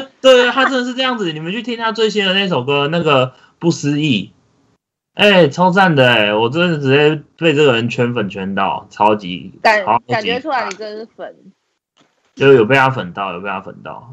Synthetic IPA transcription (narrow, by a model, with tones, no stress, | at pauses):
t̪we˥˧ɪ˥t̪ʰa˥ʈ͡ʂə˥nd̪ə˨ʂɻ̩˥˧ʈ͡ʂɤ˥˧jɑ˥˩ŋd͡zɹ̩˨˩˨ni˨˩mə˨˦nt͡ɕʰy˥˩t̪ʰi˥ŋt̪ʰa˥˧t͡swe˥˧ɪɕ̬i˥d̪ə˨na˥˩ɪʈ͡ʂo˨˩ʊɡə˦na˥˩ɡə˨ | pu˥˩s̩˦i˥˩ | ʔe˥˩ɪt͡sʰɑ˥ʊt͡sa˥˩nd̪ə˩e˨˩wɔ˨˩t͡ɕwɛ˥˩ʈ͡ʂɻ̩˨˩e˥˩twe˥˧ɪʈ͡ʂɤ˥˩ɡə˩ɻə˧˦nt͡ɕʰɥɛ˧˦˥nfə˨˩nt͡ɕʰɥɛ˧˥nt̪ɑ̰˥˨ʊʈ͡ʂʰɑ˦˥ʊt͡ɕḭ˧˥˨ | a˨˩t͡ɕi˧˥˧u˥la˧˦i˨ə˥˧˥fə˨˩n | jo˨˩jo˨˩pe˥˧ja˥˩fə˨˩nt̪ɑ˥˨ʊjo˨˩pjɑ˥˩fə̰˨˩nt̪ɑ̰˥˩ʊ